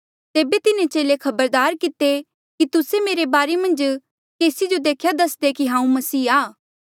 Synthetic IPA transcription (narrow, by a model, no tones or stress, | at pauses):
t̪eːbet̪ɪnẽt͡ʃeːlekʰɐbəɾd̪aːɾkɪt̪e | kit̪ʊsemeːɾebaːɾemɐ̃nd͡ʒ | keːsid͡ʒod̪eːkʰjad̪ɐsd̪ekiɦãːũmɐsiːaː